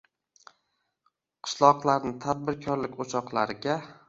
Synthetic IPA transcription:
qʰɨ̥ʃlˠɒqlˠaɾnɪt̪ʰad̪̚bɪɾkʰɒɾlɪkʲot͡ʃʰɒqlˠaɾɪɡʲa

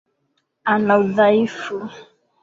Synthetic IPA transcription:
anauðaifu

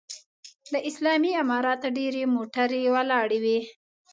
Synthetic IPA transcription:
laʔɪslɑmiamɑɾɑt̪aɖeɾemoʈaɾewəlɑɽewi

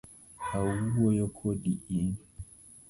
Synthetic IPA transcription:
hauwɔjɔkʰɔɗiin

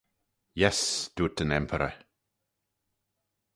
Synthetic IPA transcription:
jɛsd̥uːt̪ənɛmpʰəɾə

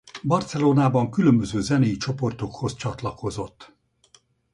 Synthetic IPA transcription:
bɒrt̪sɛloːnaːbɒŋkylømbøzøːzɛnejit͡ʃo̞po̞rt̪o̞kho̞st͡ʃɒt̪lɒko̞zo̞t̪ː

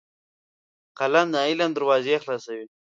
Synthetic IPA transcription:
qaland̪əailand̪əɾwɑːzexlɑsawi

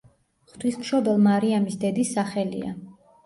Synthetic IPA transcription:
χt̪ʰwismʃɔd̪ɛlˠmaɾiamisd̪ɛd̪isːaχɛlḭa̰

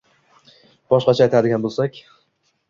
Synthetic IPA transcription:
b̥ɒʃqɑt͡ʃʰajt̪ʰad̪ɪɡʲanbolˠsakʲ

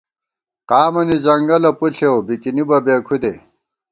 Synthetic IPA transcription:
qaːmɐnizɐŋɡɐlɐpuɬewbikinibɐbeːkʰud̪e

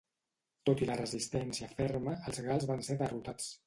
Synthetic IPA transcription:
t̪ot̪ilərəzist̪ɛnsiəfɛrməəlˠzɣalˠzβanseðərut̪at͡s

